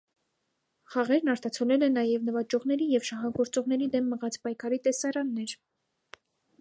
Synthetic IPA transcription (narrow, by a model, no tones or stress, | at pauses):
χɑʁɛɾnɑɾt̪ɑt͡sʰɔlɛlɛnɑjɛvnəvɑd͡ʒɔʁn̪ɛɾijɛvʃɑɦɑɡɔɾt͡sɔʁnɛɾid̪ɛmːəʁɑt͡spɑjkʰɑɾit̪ɛsɑɾɑnːɛɾ